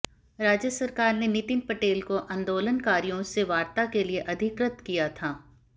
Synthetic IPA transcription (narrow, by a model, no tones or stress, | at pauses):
ɾaːd͡ʒjəsɐɾkaːɾnenɪt̪ɪnpɐʈeːlkoʔɐ̃nd̪oːlənkaːɾijõseʋaːɾt̪akelieʔɐd̪ʱɪkɾət̪kijat̪ʰaː